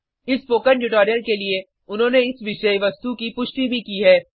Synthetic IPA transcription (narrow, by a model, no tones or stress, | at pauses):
ɪspoːkəɳʈʊʈoːɾijəlkelie | ʊnɦõːneɪsʋɪʃəjʋɐst̪ukipʊʃʈibʱikiːɦɛː